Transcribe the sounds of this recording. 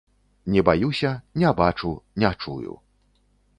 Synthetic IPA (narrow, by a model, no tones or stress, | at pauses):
nʲɛbajusʲɐnʲɛabat͡ʂunʲɛat͡ʂṵjṵ